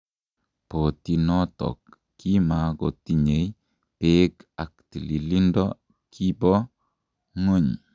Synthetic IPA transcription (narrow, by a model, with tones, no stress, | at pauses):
po˨ti˨nɔ˦tɔ̰˨kː | i˦ma˨ɡo̰˨ti˨ɲe˨j | peka˨k̚ti˨li˨li˦ndɔ˦ | kʰi˦bɔ˦ | ŋo˦ɲ